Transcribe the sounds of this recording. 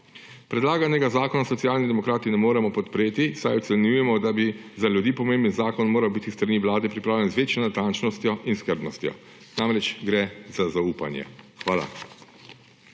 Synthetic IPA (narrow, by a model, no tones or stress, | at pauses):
pɾɛd̪laːɡanɛɡazaːkɔnasɔt̪siaːlnid̪ɛmɔkɾaːt̪inɛmoːɾɛmɔpɔt̪pɾeːt̪isajɔt̪sɛnjujɛmɔd̪abizalʲjud̪iːpɔmẽmbənzaːkɔnmoːɾawbit̪ist̪ɾaniːʋlaːd̪ɛpɾipɾaːwlʲjɛnzʋeːt͡ʃjɔnat̪ant͡ʃnɔst̪jɔʔinskəɾbnɔst̪jɔ̰ | namɾɛt͡ʃɡɾɛzazauːpa̰nja̰xʋaːla̰